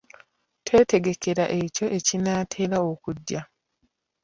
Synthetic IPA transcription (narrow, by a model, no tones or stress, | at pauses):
tʰwe̞ːte̞ɡe̞kʰe̞ɾaʔe̞co̞ʔe̞cinaːtʰe̞ːlaokudja